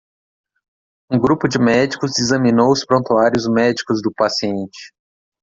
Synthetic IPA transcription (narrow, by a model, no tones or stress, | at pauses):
ũɡɾupʊd͡ʒɪmɛd͡ʒikʊzɪzɐ̃mĩnowʊspɾõnt̪uaɾjʊzmɛd͡ʒikʊzd̪ʊpasiẽnt͡ʃɪ̥